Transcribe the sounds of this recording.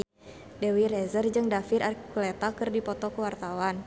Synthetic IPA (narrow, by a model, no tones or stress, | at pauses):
dɛwirɛzərd͡ʒɨŋdafirʔarkulɛt̪akɨrdipɔt̪ɔkuwart̪awan